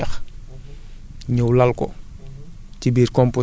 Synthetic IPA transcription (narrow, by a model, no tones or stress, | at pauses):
ɐx | ɲəwlɐlkɔ | cibiːɾkɔmpo